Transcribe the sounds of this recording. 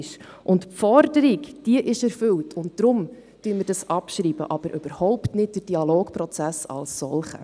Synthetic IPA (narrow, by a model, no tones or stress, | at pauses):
ʃ | ʔʊntpfɔɾdəɾikd̥iəʔɪʃɛɾfʏltʰʊnt̚d̥ɾʊm | tyːməɾdɑsɑpʃɾiːb̥ə̰ʔɑb̥əɾʔøb̥əɾhɔʊptnɪt̚d̥əɾd̥iɑloːkprɔt͡sæsɑ̰lsːɔ̰lχə̰